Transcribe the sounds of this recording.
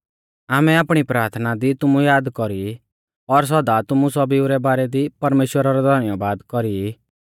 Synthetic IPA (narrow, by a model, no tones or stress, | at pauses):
aːmɛaːpɽ̃ipɾaːɾt̪ʰnad̪it̪ʊmũjaːd̪kɔɾi | ɔɾs̬ɔd̪at̪ʊmũsɔbiuɾɛbaːɾɛd̪ipɐɾmeːʃwəɾaɾɔd̪ʱɔɾnɪjabaːd̪kɔɾi